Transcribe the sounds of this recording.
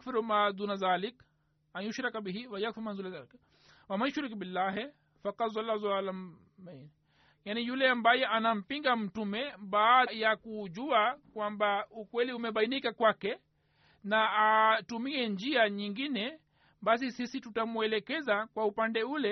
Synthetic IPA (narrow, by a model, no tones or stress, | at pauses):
akfiɾmazunaðaːlik | anjuʃɾakbiɦiwajakfiɾmazunaalik | wamaʊʃɾikbilːaːɦ | fakɑd̪zalːazalam | man | janijulɛambajɛʔanam̩piŋɡam̩tumɛɓaːjakuʄuakwambaukwɛliumɛɓainikakwakɛ | naatumiɛnd͡ʒiaɲiŋɡinɛ | ɓas̬isisitutamuɛlɛkɛzakwaupandɛulɛ